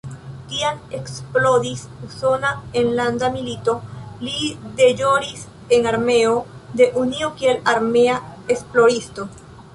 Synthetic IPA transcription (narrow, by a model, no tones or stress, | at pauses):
kianeksplo̞d̪isuso̞naenland̪amilit̪o̞lid̪e̞d͡ʒo̞ɾis | e̞ŋaɾme̞od̪e̞ʔuniokielaɾmeaesploɾist̪o